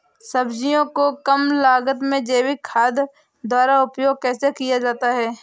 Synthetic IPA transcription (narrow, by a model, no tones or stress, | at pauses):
sɐbd͡ʒijõkokəmlaːɡət̪mẽd͡ʒeːwikʰaːd̪ | d̪waːɾaʊpjoːɡ̚kɛːsekijad͡ʒaːt̪aɦɛː